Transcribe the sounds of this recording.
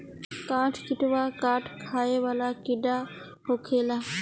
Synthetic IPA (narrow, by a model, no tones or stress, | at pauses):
kaːʈʰkɪʈʋaːkaːʈʰkʰaːeːʋaːlaːkɪɖaː | ɦoːkʰeːlaː